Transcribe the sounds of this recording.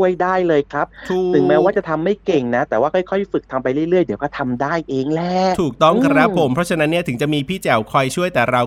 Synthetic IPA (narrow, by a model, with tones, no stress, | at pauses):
əjdaː˥˩jlɤː˧jkʰɾa˦˥p̚tʰːt̪ɯ˨˩˦ŋmɛː˦˥waː˥˩t͡ɕa˨˩t̪ʰa˧mːa˥˩jke˨˩ŋna˦˥t̪ɛː˨˩waː˥˩kʰɔ˥˩jkʰɔ˥˩jfɯ˨˩k̚t̪ʰa˧mpa˧jɾɯ˥˩əjɾɯ˥˩əjdi˩˦wkɔː˥˩t̪ʰa˧mdaː˥˩jʔeː˧ŋlɛ˦˥t̪ʰuː˨˩k̚t̪ɔ˥˩ŋkʰa˧ɾa˦˥pʰo˩˦mpʰɾɔ˦˥t͡ɕʰa˧na˦˥nːi˥˩ɐt̪ʰɯ˩˦ŋt͡ɕa˨˩ʔmiː˧pʰiː˥˩t͡ɕɛ˨˩wkʰɔ˥˩jt͡ɕʰu˥˩əjt̪ɛː˨˩ɾa˧w